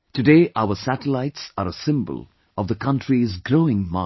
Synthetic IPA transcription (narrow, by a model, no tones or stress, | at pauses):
tɨdeːʔaʊəsæʈəlaɪtsaɾəsɪ̃mbə̰l | ɔvd̪əkʰʌ̃ntɹizɡɾoːɪ̃ŋma